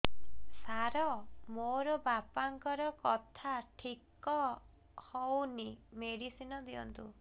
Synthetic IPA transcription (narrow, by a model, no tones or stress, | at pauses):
saɾɔmoɾɔbapaŋkɔɾɔkɔt̪ʰaʈʰikɔ | hɔwnimeɽisinɔd̪iɔ̰nt̪ṵ